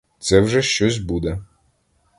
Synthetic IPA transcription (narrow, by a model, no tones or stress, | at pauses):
t̪sɛwʒɛʃt͡ʃɔs̬ʲbud̪ɛ